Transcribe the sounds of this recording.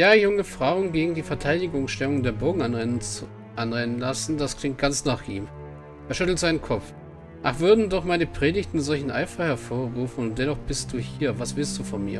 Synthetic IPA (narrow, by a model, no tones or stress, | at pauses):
jaːjʊŋəfʁ̥aʊənɡeːɡŋ̩diːfɛɐtʰaɪdɪɡʊŋsʃtɛlʊŋdeːɐboːɡŋ̩ʔan | ʔanʁɛnənlasn̩d̥askl̥ɪŋt̚ɡ̥ant͡snaːχʔiːm | ʔeːɐʃʏtl̩tz̥aɪnənkʰɔp͡f | ʔaχv̥ʏɐdn̩dɔχmaɪnəpʁ̥eːdɪçtn̩zɔlçn̩ʔa̰ɪfɐhɛɐfoːɐʁuːfn̩ʊnt̚d̥ɛnɔχb̥ɪst̚d̥uːhiːɐvasv̥ɪlst̚d̥uːfɔnmiːɐ